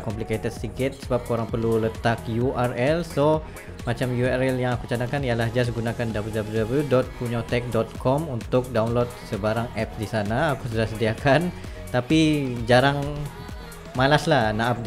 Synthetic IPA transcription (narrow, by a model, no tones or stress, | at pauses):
kɔmpliket̪əd̪sikɪt̪̚səbap̚koɾaŋpərlulət̪ak̚juʔarɛlso | mat͡ʃamjuaɾɛljaŋakut͡ʃanakanijalahd͡ʒas̬ɡunãkandabludabludabludɔt̪̚puɲat̪ɛk̚dɔt̪̚kʰɔmunt̪ʊk̚dawnlot̪̚səbaɾaŋɛp̚sdisanaːkusudahsədiakan | t̪apid͡ʒaɾaŋ | malaslahnaap̚d